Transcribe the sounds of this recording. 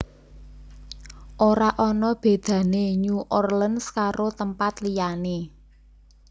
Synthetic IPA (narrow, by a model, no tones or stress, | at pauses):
ʔoɾaʔɔnɔb̥e̤d̪̥ä̤neɲuʔɔrlənskaɾot̪əmpat̪lijane